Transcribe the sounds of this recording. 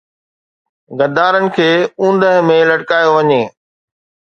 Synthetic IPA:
ɡɐd̪aːɾənɪ̆kʰeːũːn̆d̪əɦmẽlɐʈkaːjoʋɐɲeː

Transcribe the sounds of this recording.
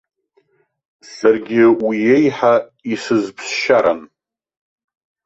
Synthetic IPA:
sarɡʲɪwijejħaisɨzpʰsʃaɾan

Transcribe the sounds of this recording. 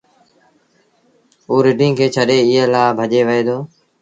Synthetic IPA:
uːɾɪʈĩːkʰeːt͡ʃʰəɗeːɪɦlaːbʱəʄeːʋəeːd̪oː

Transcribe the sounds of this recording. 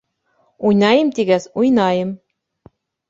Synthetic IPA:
ujnɑjɤ̆mt̪iɣæsujnɑjɤ̆m

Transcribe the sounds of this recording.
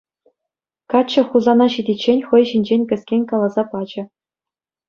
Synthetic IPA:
kɑt͡ɕɘ̆χuzɑnɑɕidʲet͡ɕːenʲχɤ̆jɕinʲd͡ʑenʲkʲɘ̆sʲkʲenʲkɑlˠɑzɑpɑd͡ʑɘ̆

